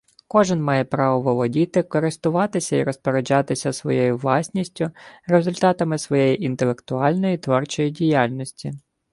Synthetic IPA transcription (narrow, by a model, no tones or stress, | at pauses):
kɔʒɪnmɑjɛpɾɑʋɔʋɔlˠɔdʲit̪ɪkɔɾɪst̪ʊʋɑt̪ɪsʲɐiɾɔspeɾed͡ʒɑt̪ɪsʲɐsʋɔ̰jɔjʊʋlˠɑsʲnʲisʲtʲʊre̞zʊlʲt̪ɑt̪ɐmɪsʋɔjejiʔint̪elˠekt̪ʊɑlʲnɔjit̪ʋɔrt͡ʃɔjidʲijalʲnʲɔsʲtʲi